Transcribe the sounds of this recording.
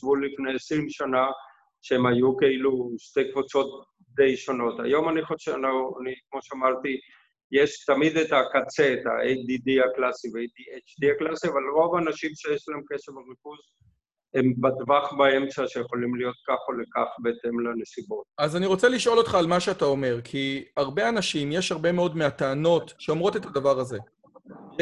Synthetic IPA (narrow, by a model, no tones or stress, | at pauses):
ʃvulifnejesʁimʃana | ʃeemhajukeiluʃte̞jkvut͡so̞t̚ | d̪e̞jʃono̞ta̰jo̞maniχoʃa̰noanikmo̞ʃeamaʁt̪i | jeʃt̪amid̪etakat͡seet̪a̰ʔejdidiaklasivejdiet͡ʃd̪iaklasiavalʁo̞vaːnaʃimʃe̞jeʃlaemkesevaʁifuz | embadvaχbaemt͡saʃejeχo̞limlijo̞t̪̚kaχolekaχbet̪emlene̞sibo̞t̪̚azaniʁo̞t͡seliʃʔo̞lo̞t̪χaːlmaʃeat̪ao̞me̞ʁkʰiaʁbe̞anaʃimjeʃhaʁbe̞meo̞dmeat̪aano̞tʃeomʁo̞t̪e̞t̪adavaʁaze̞